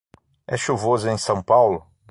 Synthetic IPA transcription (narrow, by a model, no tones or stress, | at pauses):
ɛʃuvozẽj̃sɐ̃w̃pawlʊ